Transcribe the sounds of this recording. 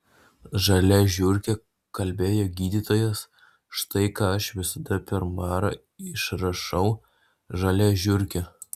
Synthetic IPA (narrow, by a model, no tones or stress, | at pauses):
ʒɐlʲɛʒʲʊɾʲkʲɛ | kɐlʲbʲeːjoːɡʲiːd̪ʲiːt̪oːjɛs | ʃt̪ɐɪkɑːɐʃʋʲɪsɐd̪ɐpʲɛɾmɑːɾɐ̰ | ɪʃɾɐʃɐʊ | ʒɐlʲɛʒʲʊɾʲkʲɛ